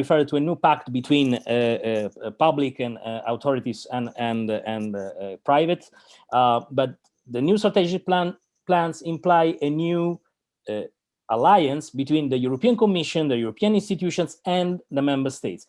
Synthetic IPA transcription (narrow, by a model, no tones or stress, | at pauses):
ɹifɛɹd̚t̪uenjupakt̪bit̪ʰwĩn | pablikɛ̃na̰wt̪ʰɔɾit̪isɛ̃nɛ̃nɛ̃npɾajvət̪ | bat̪̚ | d̪ənjust̪ɾat̪ɛd͡ʒik̚ | plãnsĩmplajʔenju | alajãnsbit̪wĩnd̪əjuɾopiãnkomiʃɔ̃nd̪əjuɾopiãnĩnst̪it̪juʃɔ̃nsɛ̃nd̪əmɛ̃mbəɾst̪ejt̪s